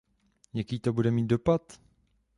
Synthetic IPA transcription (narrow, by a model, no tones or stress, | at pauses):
jakiːt̪o̞budɛmiːt̪̚do̞pat̪